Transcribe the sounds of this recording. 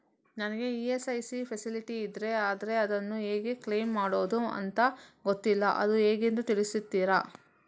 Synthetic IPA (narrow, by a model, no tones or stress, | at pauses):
nɐnɐɡe̞iːesɐjsipʰɐsiliʈiːd̪ɾe̞aːd̪ɐɾe̞ɐd̪ɐnːueːɡekleːmːaːɽoːd̪uɐ̰nt̪ɐɡot̪ːilːɐʔɐ̰d̪ueːɡend̪ut̪iɭisit̪ːiːɾa